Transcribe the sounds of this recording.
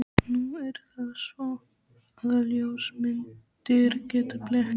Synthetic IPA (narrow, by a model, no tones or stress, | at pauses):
nuɛɾ̥θaðsvɔ | aðaljowsmɪn | t̪ɪɾcɛːt̪aplɛh